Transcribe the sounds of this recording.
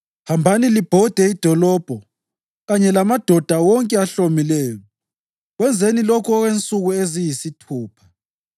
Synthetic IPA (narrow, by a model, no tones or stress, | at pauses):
hambʱanilib̥ʱɔd̥ʱɛid̥ʱɔlɔːb̥ʱɔ | ɣaɲɛlamad̥ʱɔd̥ʱawɔŋkʼɛaɬomilɛːjɔ | ɣwɛnd͡zʱenilɔkʰɔɣwent͡sʼuɣuezijisitʰuːpʰḁ